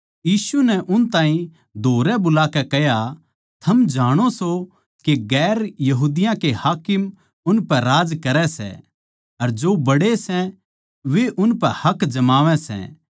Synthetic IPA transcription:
jiːsunɛʔʊnt̪ãːɦĩ | d̪ʱoːɾɛbʊlaːkɛkɛɦja | t̪ʰɐmd͡ʒaːɽ̃oso | keɡɛːɾjɐɦuːd̪ɪjãkehaːkɪm | ʊnpɛɾaːd͡ʒkɐɾɛsɛ̰ | ɐɾd͡ʒobɐɽesɛ | ʋeʔʊnpɛhɐkd͡ʒɐmaːʋɛ̃sɛ̰̃

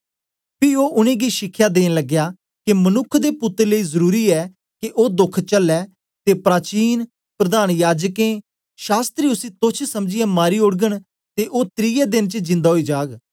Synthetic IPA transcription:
pʰioːʔʊnẽːɡiːʃɪkʰːjaːd̪eːnləɡjaː | kemənʊkʰːd̪eːpʊt̪ːəɾləiːzəɾuːɾiːɛː | keʔoːd̪ʊkʰt͡ʃəlːɛː | t̪eːpɾaːt͡ʃiːn | pɾəd̪aːnjaːd͡ʒkẽː | ʃaːst̪ɾiːʊsĩːt̪ʊt͡ʃʰsəmd͡ʒɪjaːmaːɾiːʊɽɡəɽ̃ | t̪eʔoːt̪ɾiːjɛːd̪ɪnt͡ʃəd͡ʒɪ̃nd̪aːɦoiːd͡ʒaːɡ

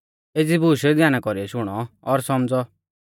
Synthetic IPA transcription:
ed͡zibuːʃɛd͡zjaːñakɔɾiɔʃʊɽ̃ɔːɾsɔmd͡zɔ

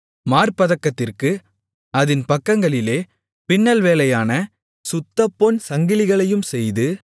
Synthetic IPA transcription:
maːrpɐðɐkːɐt̪ːɪrkɯ | ɐðɪnpɐkːɐŋɡɐɭɪleː | pɪnːɐlʋeːlɐjaːnɐ | sʊt̪ːɐpːoːnsɐŋɡɪlɪɣɐɭɐjɯmsɛjðɯ

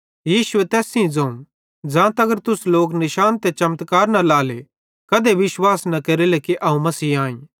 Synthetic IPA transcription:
jiːʃʊet̪ɛːsĩĩd͡zɐũ | d͡ʒãːt̪ɐɡəɾt̪ʊsloːknɪʃaːnt̪ɛt͡ʃɐmt̪kaːɾnɐlaːle | kɐd̪eʋɪʃwaːsnɐkeɾilekiʔɐũmɐsiːãːĩ

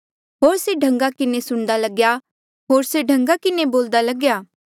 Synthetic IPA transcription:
ɦoːɾseɖʱɐ̃ŋɡakɪnesʊɽ̃d̪alɐɡja | ɦoːɾseɖʱɐ̃ŋɡakɪneboːld̪alɐɡjaː

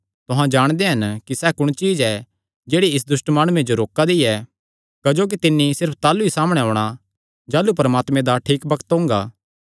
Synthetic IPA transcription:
t̪ʊɦãd͡ʒaːɽ̃d̪eɦɐnkisɛkʊɽ̃t͡ʃiːd͡ʒɛ | d͡ʒeːɽiɪs̬d̪ʊʃʈmaːɽ̃uẽd͡ʒoɾoːkad̪iɛ | kɐd͡ʒoːk̬it̪ɪnːisɪɾpʰt̪aːluisaːməɽ̃ɛɦoːɽ̃a | d͡ʒaːlupɐɾəmaːt̪mẽd̪aʈʰiːkbɐkʰə̥t̪ɦʊ̃ːŋɡa̰ː

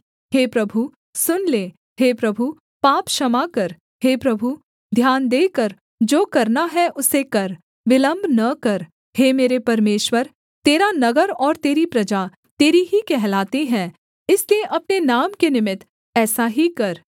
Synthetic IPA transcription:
ɦeːpɾɐbʱu | sʊnleː | ɦeːpɾɐbʱu | paːpʃɐmakɐɾ | heːpɾɐbʱu | d̪ʱjaːnd̪eːkəɾ | d͡ʒoːkɐɾnaɦɛʔʊsekɐɾ | ʋɪlə̃mbʱnɐkɐɾ | heːmeːɾepɐɾmeːʃwəɾ | t̪eːɾanɐɡəɾɔːɾt̪eːɾipɾɐd͡ʒa | t̪eːɾiɦikɛɦlaːt̪eɦɛ̃ː | ɪslieʔɐpnenaːmkenɪmɪt̪ | ɛːsaɦikɐɾ

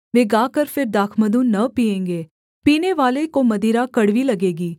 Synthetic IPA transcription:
ʋeːɡaːkəɾpʰɪɾd̪aːkʰməd̪ũːnəpiːẽːŋɡeː | piːneːʋaːlekoːməd̪iːɾaːkəɽʋiːləɡeːɡiː

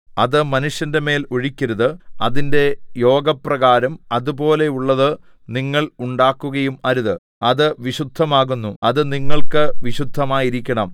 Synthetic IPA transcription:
ɐðɨmɐnuʂjɐnde̞me̞ːloɻikʲːɐɾuðɨɐðinde̞jo̞ːɡɐprɐɣaːɾɐmɐðubo̞ːle̞uɭːɐðɨ | niŋːɐɭuɳɖaːkːuɣɐjumɐɾuðɨ | ɐðɨʋiɕud̪ʱːɐmaːɣunːuɐðɨniŋːɐɭkɨʋiɕud̪ʱːɐmaːjiɾikʲːɐɳɐm

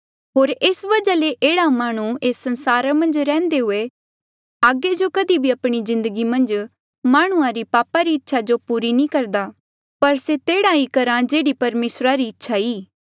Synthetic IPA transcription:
ɦoːɾɪsʋɐd͡ʒaleʔeːɽamaːɽ̃ueːsːənsaːɾamɐ̃nd͡ʒɾɛ̃ːnd̪eɦʊe | aːɡed͡ʒokəd̪ibʱiɐpɽ̃izɪ̃nd̪əɡimɐ̃nd͡ʒ | maːɽ̃ʊãɾipaːpaɾiɪtːʃʰad͡ʒopuːɾinĩːkɐɾd̪aː | pɐɾset̪eːɽaikɐɾãd͡ʒeːɽipɐɾmeːsɾaɾiɪtːʃʰaiː

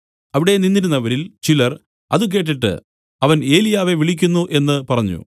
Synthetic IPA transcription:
ɐʋiɽe̞ninːiɾunːɐʋɐɾilt͡ɕilɐr | ɐ̰ðɨk̬e̞ːʈ̬ːiʈːɨ̰ | ɐʋɐne̞ːlijaːʋe̞ʋiɭik̬ʲːunːuʔe̞nːɨpɐrɐɲːṵ

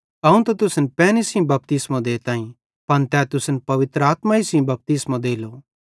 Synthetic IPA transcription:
ɐũt̪ɐt̪ʊsnpɛːnisĩbɐp̚t̪ɪsmãd̪eːt̪ãːĩ | pɐnt̪ɛːt̪ʊsnpɐʋɪt̪ɾəaːt̪maisĩbɐp̚t̪ɪsmãd̪eːlo

